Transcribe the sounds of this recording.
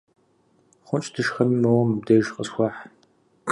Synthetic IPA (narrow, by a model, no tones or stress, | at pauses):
χʷʊnt͡ʃʼdʰɨʃxɐnmɐwɔmb̚dɐʒqəsxʷɑːħ | k